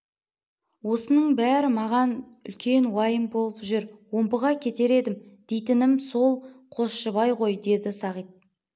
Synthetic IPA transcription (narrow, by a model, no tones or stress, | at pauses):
wo̞sənəɴbæɾɪmɑʁɑn | ʏ̰lkʲe̞nwɑjəmbo̞lˠəpʒʏɾwo̞mbəʁɑkʲʰe̞t̪e̞ɾe̞d̪ɪmd̪̥ejt̪ɪnɪmso̞lˠqʰo̞sʃəβɑjʁo̞jd̪e̞d̪ɪsɑʁijt̪̚